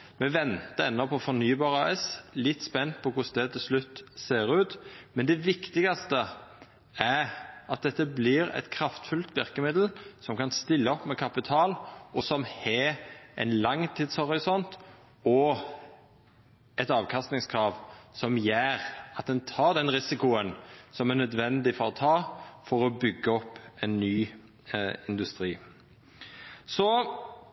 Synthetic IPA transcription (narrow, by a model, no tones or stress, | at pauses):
mɛʋɛnt̪əɛnːɔpʰɔfɔnyːbɑːʁɑɛslɪt̪ːspɛnːt̪̚pʰɔkʊsd̪ɛt̪ʰɪlslʉt̪ːseːɾʉːt̪mɛnd̪ɛʋɪkt̪ɪɡɑst̪ə | æɑt̪̚d̪ɛt̪ːəbliːɾɛ̰t̪kʰɾɑft̪fʉlt̪ʋɪʁkəmɪd̪l̩sɔmkɑnst̪ɪlːəɔpmɛkʰɑpɪt̪ʰɑːlɔsɔmhɛɛ̰ɪnlɑŋːt̪ʰiːd̪shɔʁɪsɔnt̪ | ɔ | ɛt̪ɑːʋkʰɑst̪nɪŋskʰɾɑːʋsɔmjæːɾɑt̪̚d̪ɛnt̪ʰɑːd̪ɛnʁɪsɪkʊənsɔmænœd̪ʋɛnd̪ɪfɔʁt̪ʰɑːfɔɾɔbʏɡːəɔpːɛnːyː | ɪnd̪ʉst̪ɾiː | sɔ